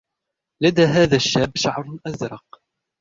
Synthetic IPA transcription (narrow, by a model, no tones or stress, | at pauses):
lad̪aːɦaːðaʃːaːbʃaʕɾˤʔazɾˤɑq